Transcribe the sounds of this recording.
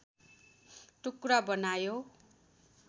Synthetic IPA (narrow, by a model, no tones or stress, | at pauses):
ʈukɾabʌnajo